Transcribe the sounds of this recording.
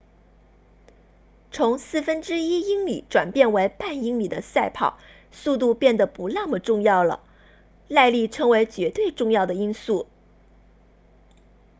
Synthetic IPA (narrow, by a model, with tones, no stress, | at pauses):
t͡sʰʊ˧˥ŋsɹ̩˥˩fə˥nʈ͡ʂɻ̩˥i˥i˥ŋlḭ˨˩˦ʈ͡ʂwa˨˩npjɛ˥˩nwe˧˥ɪpa˥˩ni˥ŋli˨˩d̪ə˦sa˥˧ɪpʰɑ̰˨˩˦ʊ | su˥˧t̪̬u˥˧pjɛ˥˩nd̪ə˩pu˧˥ljɑ˥˩ŋmə˩ʈ͡ʂʊ˥˧ŋjɑ˥˩ʊlə̰˩ | la˥˧ɪli˥˩ʈ͡ʂʰɤ˥ŋwe˧˥ɪt͡ɕɥɛ˧˥t̪we˥˧ɪʈ͡ʂʊ˥˧ŋjɑ˥˩ʊd̪ə˩i˥nsu˥˩